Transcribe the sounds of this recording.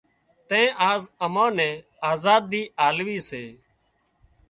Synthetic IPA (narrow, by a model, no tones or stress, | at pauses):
t̪ɛ̃ːʔaːzəmãːnɛ̃ː | aːzaːd̪ːiːʔaːlʋiːseː